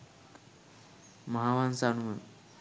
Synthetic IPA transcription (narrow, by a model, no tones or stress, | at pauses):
məɦaʋansaɳmən